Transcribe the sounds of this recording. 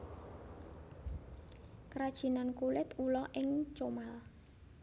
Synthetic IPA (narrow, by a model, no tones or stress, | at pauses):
kɾad̥ʒ̥i̤nankulɪt̪ulɔʔɪŋt͡ʃomal